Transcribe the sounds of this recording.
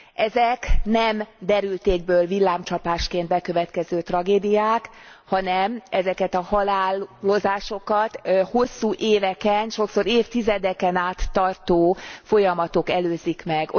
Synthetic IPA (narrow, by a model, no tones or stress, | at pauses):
ʔɛzɛknɛmd̪ɛɾylt̪eːɡ̚bøːlvilːaːmt͡ʃɒpaːʃkeːnd̪̚bɛkøvɛt̪kɛzøːt̪rɒɡeːd̪ijaːk | hɒnɛmɛzɛkɛt̪ɒhɒlaːllo̞zaːʃokɒt̪ho̞sːuːʔeːvɛkɛnʃo̞kso̞ɾeːft̪izɛd̪ɛkɛnaːt̪ːɒrt̪oːfo̞jɒmɒt̪o̞kɛløːzikmɛɡ